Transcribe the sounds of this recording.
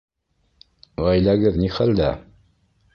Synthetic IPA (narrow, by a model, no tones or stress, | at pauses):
væjlæɡɘðniχæld̪æ